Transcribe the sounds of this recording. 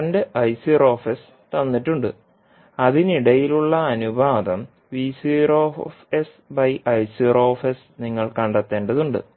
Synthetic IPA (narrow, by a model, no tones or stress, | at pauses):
ɐndeʔɐjsiroːfes | t̪ɐnːiʈːuɳɖɨ | ɐðiniɽɐjiluɭːɐːnubʱaːd̪ɐm | ʋiːsiɾoːfes | bɐjʔɐjsiro̞ːfes | niŋːɐɭkɐɳɖɐt̪ːe̞ːɳɖɐðuɳɖɨ̰